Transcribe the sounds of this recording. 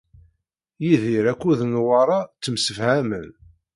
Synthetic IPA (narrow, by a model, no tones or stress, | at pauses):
jiðiɾækʷːuðnwɑɾˤɑt͡sːəmsəfhæmən